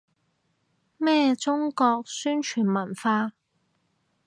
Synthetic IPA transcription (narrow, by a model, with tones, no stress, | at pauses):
mɛː˥t͡sʊ˥ŋkɔː˧k̚syː˥nt͡ʃʰyː˨˩nmɐ˨˩nfaː˧